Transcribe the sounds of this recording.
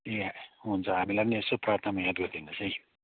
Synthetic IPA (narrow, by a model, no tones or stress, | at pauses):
eunt͡sʰʌɦamilajpniesoprat̪ʰnamajãt̪ɡʌrd̪inːʌsʌj